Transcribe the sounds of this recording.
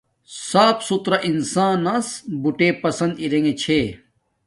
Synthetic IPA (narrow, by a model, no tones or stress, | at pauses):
saːpsut̪ɾɐʔinsãːnɐsbuʈeːpɐsɐnd̪iɾeŋɡet͡ɕʰeː